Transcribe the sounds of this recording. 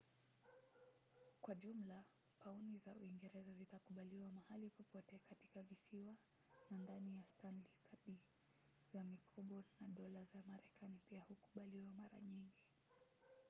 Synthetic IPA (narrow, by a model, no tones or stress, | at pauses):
kwaʄum̩la | paunizaṵiŋɡɛɾɛzazitakuɓaliwamahalipɔpɔtɛkatikavisiwa | nandanijastanlikaɗi | z̥amikʰɔɓɔnaɗɔlazamaɾɛkanipiahuku̥ɓaliwamaɾa̰ɲiŋɡi